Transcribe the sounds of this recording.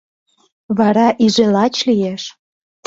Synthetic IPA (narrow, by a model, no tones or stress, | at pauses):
βɑɾɑʔiʒelɑt͡ɕlijeʃ